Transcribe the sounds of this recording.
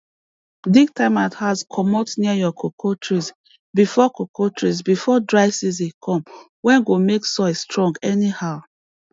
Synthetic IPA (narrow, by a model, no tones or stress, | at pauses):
diɡtaɪmathazkʰɔmɔtniajɔkʰokʰotʰɹis | bifɔkokʰotɹisbifɔdɹaɪsiz̬ikʰɔ̃m | wɛ̃nɡomeksɔɪsstɹɔ̃ŋɡɛnihaʊ